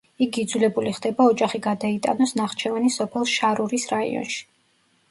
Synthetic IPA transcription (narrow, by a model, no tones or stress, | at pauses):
ikʰid̪zulɛbuliχd̪ɛbaɔd͡ʒaχiɡad̪ait̪ʼa̰nɔsnaχt͡ʃʰɛvanisɔpʰɛlˠʃaɾuɾisɾaḭɔ̰nʃi̥